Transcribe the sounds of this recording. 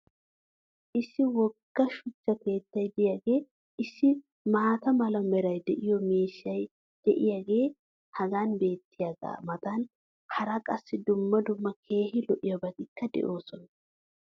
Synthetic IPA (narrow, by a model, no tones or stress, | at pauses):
ʔɪsːɪwɔɡːɐʃʊt͡ʃːɐke̞ːt̪ːɐjd̪ɪjaːɡe̞ː | ʔɪsːɪ | maːt̪ɐmɐlɐmɛɾɐjd̪ɛʔɪjɔmeːʃːɐj | d̪̥ɛʔɪjaːɡe̞ː | hɐɡaːnbe̞ːt̪ːɪjaːɡa̰ːmɐt̪ɐn | hɐɾɐkʼɐsːɪd̪ʊmːɐd̪ʊmːɐkʰe̞ːhɪlɔʔɪjɔbɐt̪ɪkːɐd̪ɛ̰ʔo̞ːsɔnɐ